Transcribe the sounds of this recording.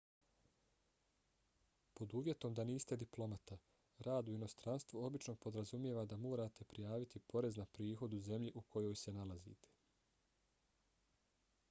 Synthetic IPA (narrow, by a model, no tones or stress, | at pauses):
po̞d̪uːʋje̞t̪o̞md̪aniːst̪e̞d̪iplˠo̞mat̪a | ɾaːd̪uino̞st̪ɾanst̪vʋuo̞bit͡ʃno̞po̞d̪ɾazumje̞ːʋad̪amo̞ːɾaːt̪ʰe̞pɾijaːʋit̪ipo̞ɾe̞znapɾiːxo̞d̪uze̞mʎiʔukʰo̞jo̞ːjse̞nalazḭːt̪ʰe̥